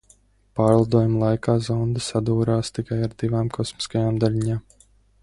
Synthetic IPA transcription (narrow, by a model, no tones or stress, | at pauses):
paːɾlˠad̪uɔjumlˠajkaːzɔwnd̪ɨsad̪uːɾaːst̪ikajaɾd̪ivaːmkʰɔsmi̥skajaːmd̪alʲiɲaːm